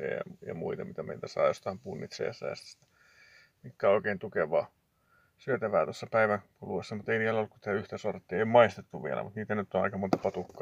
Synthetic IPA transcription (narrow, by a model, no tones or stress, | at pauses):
ḛjɑ̰jɑ̰muit̪ɑmit̪æmḛit̪æsɑ̰ːjost̪ɑimpuːnːḭt̪sḛːsːæ̰jɑ̰st̪si̥t̪ːæ̥ | mikːæːoˑikeint̪ukeʋˑɑː | syøt̪æʋæːt̪osːɑpæiʋæŋkuluʋesːɑmut̪einiːlːolːuku̥t̪eæyht̪æsort̪ːieiomɑist̪et̪ːuʋʋiḛlæ̰mut̪niːt̪ænyt̪ːonɑ̰ikɑmont̪ɑpɑt̪ukːɑ